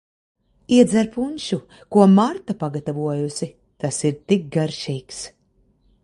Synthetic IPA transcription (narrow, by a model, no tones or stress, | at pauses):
iɛd̪zaɾpunʲʃu | kuɔmaɾt̪apaɡat̪avuɔjusi | t̪asiɾt̪ik̚ɡaɾʃiːks